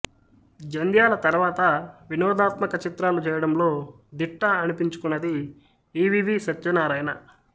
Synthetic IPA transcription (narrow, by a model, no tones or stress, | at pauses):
d͡ʒɐnd̪jaːlɐt̪ɐɾʋaːt̪ɐʋinɔːd̪aːt̪mɐkɐt͡ʃit̪ɾaːlut͡ʃɛːjɐɽɐmlo̞ː | d̪iʈːɐːnipiɲt͡ʃu̥kunːɐd̪i | iːʋiːʋisɐt̪junaːɾɐjnɐ̰